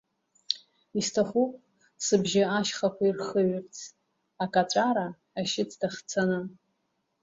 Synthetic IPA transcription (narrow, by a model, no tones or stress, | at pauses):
istʰaχupʼ | sɨbʒɪaʃχakʷairχəɥʏrt͡sʰ | akʼat͡ʃʷʼaɾaː | ʃɪt͡sʰdaχt͡sʰanɨ